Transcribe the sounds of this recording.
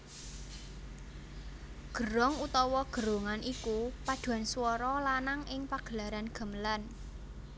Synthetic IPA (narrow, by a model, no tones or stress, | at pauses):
ɡ̥əɾɔŋut̪ɔwɔɡ̥ə̤ɾo̤ŋanʔikupad̪̥ṳanswɔɾɔlanaŋʔɪŋpaɡ̥əlaɾanɡ̥ə̤məlan